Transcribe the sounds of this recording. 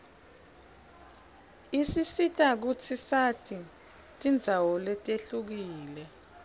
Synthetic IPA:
isisitʼak̬ut͡sʰisatʰʼi | tʼind͡zʱawɔlɛtʼeɬuk̬iːlɛ

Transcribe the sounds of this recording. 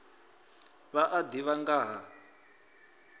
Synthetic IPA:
βaʔadiβaŋɡaːɦa

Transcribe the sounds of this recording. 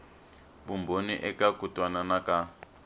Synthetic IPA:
βumbʱoniʔɛkakutʼwananaka

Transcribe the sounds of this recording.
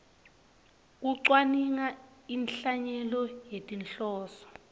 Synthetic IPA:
k̬uǀwaniŋainɬaɲɛlɔjetʼinɬɔːsɔ̥

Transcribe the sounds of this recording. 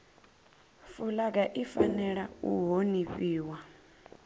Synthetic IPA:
fulak̬aʔifanɛɺa̰ṵɦoniɸʼiːwa

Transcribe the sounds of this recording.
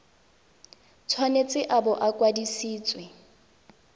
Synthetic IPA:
t͡sʰwanet͡sʼɪʔabɔʔakʼwadisiːt͡sʼwɛ

